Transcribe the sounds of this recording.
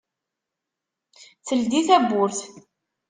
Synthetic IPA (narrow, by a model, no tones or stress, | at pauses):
θəld̪iθæbːʊɾθ